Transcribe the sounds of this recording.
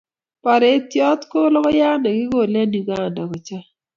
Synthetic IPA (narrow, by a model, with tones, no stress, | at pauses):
pa˨ɾɛ˨˦t̪jɔ˦t̪ko˦lɔ˦kɔ˦ja˦nɛ˨ɡɪ˦ɡo˦˨lɛ˦ni˨u˨ɡa˦˨nda˨ko˨t͡ʃa˦